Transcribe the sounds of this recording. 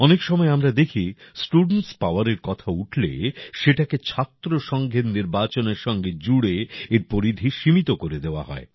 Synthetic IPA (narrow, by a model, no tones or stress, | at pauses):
ɔnekʃɔmɔeamɾad̪ekʰisʈuɖɳʈspaoaɾeɾkɔt̪ʰauʈʰlḛʃeʈaket͡ɕʰat̪ːɾoʃɔŋɡʱeɾniɾbat͡ɕoneɾʃɔŋɡed͡ʑuɽeeɾpoɾid̪ʱiʃimit̪okoɾed̪eoa̰ɦɔ̰e